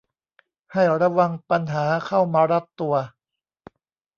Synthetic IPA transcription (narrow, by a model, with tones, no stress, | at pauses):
ha˥˩jɾa˧wa˧ŋpa˧nɦaː˩˦kʰa˥˩wmaː˧ɾa˦˥p̚t̪u˧ɐ